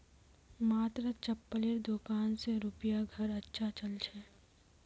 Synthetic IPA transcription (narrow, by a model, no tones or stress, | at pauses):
maːt̪ɾət͡ʃɐpːəlɪɾd̪okaːnseɾupijaɡʱɐɾɐtːʃʰat͡ʃɐlt͡ʃʰɛː